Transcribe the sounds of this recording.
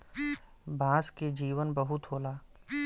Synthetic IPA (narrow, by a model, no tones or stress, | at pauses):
bʱãːsked͡ʒiːʋənbɐɦʊt̪ɦoːlaː